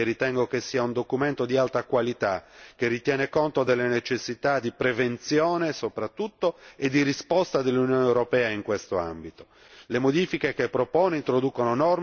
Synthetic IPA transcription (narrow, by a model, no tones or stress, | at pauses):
erit̪ɛŋɡokesːiːaund̪okument̪od̪ialt̪akwalit̪ak̟erːit̪jɛːnekont̪od̪elːenet͡ʃesːit̪ad̪ipɾevent̪sjɔːnesopɾat̪ːut̪ːoed̪ːirispɔst̪ad̪elːunjɔːneewɾopɛːaiŋkwest̪oa̰mbit̪o̥ | lemod̪iːfikekepːɾopɔːneint̪ɾod̪uːkononɔr